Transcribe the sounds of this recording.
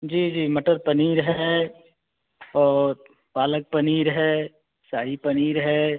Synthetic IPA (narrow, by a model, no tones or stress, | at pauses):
d͡ʒiːd͡ʒiːmɐʈəɾpɐniːɾɦɛ | ɔːɾ | paːlək̚pɐniːɾɦɛː | saːipɐniːɾɦɛː